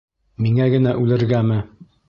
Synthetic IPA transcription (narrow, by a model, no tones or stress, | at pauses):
miŋæɡɘ̆næʔʉlɘ̆ɾɡæmɘ